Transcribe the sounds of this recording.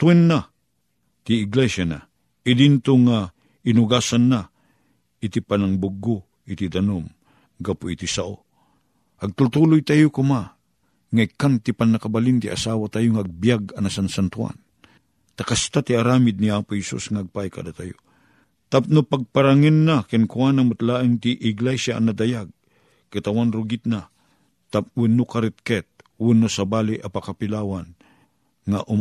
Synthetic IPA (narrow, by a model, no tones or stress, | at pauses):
t̪wɛnːa | t̪iːɡlɛsjana̰ | ɪdint̪ʊŋa | inʊɡasanːa | it̪ipanaŋbʊɡʊ | it̪id̪anom | ɡapʊit̪isaʔo̰ | ʔɐɡ̚t̪ʊlt̪ulʊjt̪ajokʊma | ŋaikːant̪ipanːakabalint̪ḭʔa̰saːwat̪ajoŋaːɡ̚bijaɡanasansant̪ua̰n | t̪akast̪at̪iaɾaːmɪd̪̚niaːpʊhɛsṵsŋaːɡ̚pajka̰d̪at̪ajo̰ | t̪ap̚nopaɡ̚paɾaŋɪnːakɪnkwanamʊt̪laːʔɪŋt̪iʔɪɡlasja̰ːnad̪ajaɡ̚ | kat̪awanɾʊɡit̪̚na | t̪ap̚wɪnːokaɾɪt̪̚kɛt̪̚wɪnːosabaːliʔapakapɪlaːwan | ŋaʔʊ